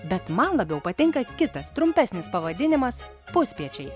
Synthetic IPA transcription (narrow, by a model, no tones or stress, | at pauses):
bʲɛt̪mɐnlˠɐbʲɛʊpɐt̪ʲɪŋkɐkʲɪt̪ɐst̪ɾʊmʲpʲæsʲnʲɪspɐʋɐd̪ʲɪnʲɪmɐs | pʊsʲpʲiɛt͡ʃʲɛɪ